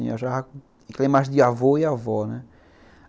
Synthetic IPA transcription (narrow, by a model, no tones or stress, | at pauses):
ɲo̰ʃak | klẽmazd̪iavoiavɔnɛ